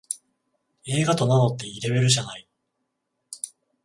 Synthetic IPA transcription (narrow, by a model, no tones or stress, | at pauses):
e̞ːɡat̪o̞nano̞t̪ːe̞iɾe̞βe̞ɾɯ̟ʑanai